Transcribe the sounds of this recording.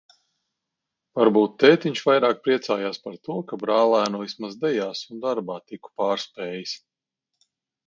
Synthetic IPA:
vaɾbuːt̪ːɛːt̪iɲʃvajɾaːk̚pɾiɛt̪saːjaːspaɾt̪uɔkabɾaːlˠæːnuvismazd̪ɛjaːsund̪aɾbaːt̪iku̥paːɾspɛːjis

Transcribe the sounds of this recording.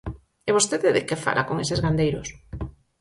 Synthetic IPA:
eβ̞ost̪eðeðɪkefa̰lʔakoŋesezɣand̪ejɾos

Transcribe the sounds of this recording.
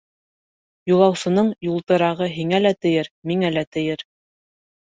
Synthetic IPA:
julˠɑwsɤ̆nɤɴjulˠt̪ɤ̆ɾɑʁɤɦiŋælæt̪ɘ̆jɘɾmiŋælæt̪ɘ̆jɘɾ

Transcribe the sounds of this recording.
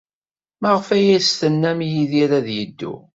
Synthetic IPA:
məʁfæjæsθənːæmjiðiɾæðjəd̪ːṵ

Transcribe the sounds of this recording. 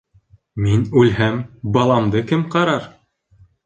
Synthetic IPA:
minʉlɦæmbɑlˠɑmd̪ɤkɘmqɑɾɑɾ

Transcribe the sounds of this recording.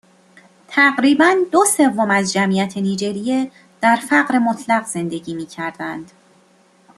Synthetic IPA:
t̪ʰæɢɾiːbænd̪ose̞vːomæzd͡ʒæmijæt̪ʰe̞niːd͡ʒe̞ɾije | d̪̥æɾfæɢɾemo̞t̪ʰlæɣz̥e̞nd̪e̞ɟiːmiːcʰæɾd̪ænd̪̥

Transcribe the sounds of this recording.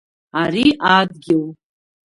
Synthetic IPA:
aɾiʔaːd̪ɡʲɪw

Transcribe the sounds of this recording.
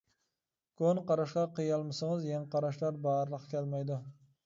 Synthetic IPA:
kʰonqɑɾaʃqɑqɨjɑlˠmɪsaŋɨzjɑŋqʰɑɾaʃlaɾbɑɾlˠɨqkʲʰelmajd̪ɪ

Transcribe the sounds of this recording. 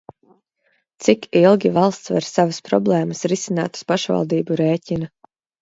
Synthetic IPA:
t̪sikilˠɡʲivɑlˠst̪svɛ̰ɾsavaspɾɔ̰blˠɛːməsɾisina̰ːt̪ə̥spaʃva̰lˠd̪iːbuɾeːcʲinɐ

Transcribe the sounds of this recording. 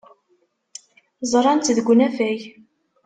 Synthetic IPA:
zˤɾˤɑnt̪ðəɡʷːnæfæj

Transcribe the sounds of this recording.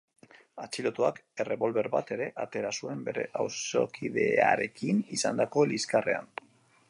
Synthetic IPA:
at͡silo̞t̪oake̞re̞βo̞lβe̞ɾbat̪e̞ɾe̞ʔat̪e̞ɾasue̞mbe̞ɾe̞ʔawso̞̰kʰiðe̞aɾe̞kinisand̪akoliskare̞̰a̰n

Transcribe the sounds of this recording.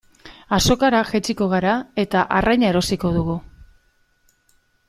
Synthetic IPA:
aso̞kaɾaʝet͡ʃiko̞ɣ̞aɾae̞t̪aʔarajɲae̞ɾo̞siko̞ð̞uɣu

